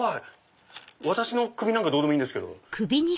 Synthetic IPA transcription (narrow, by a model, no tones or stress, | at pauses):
a | βat̪aɕino̞kɯ̟bʲinãŋkad̪o̞ːd̪emoĩːnde̞sɨ̥ke̞d̪o̰kʰɯbʲiɲ̟i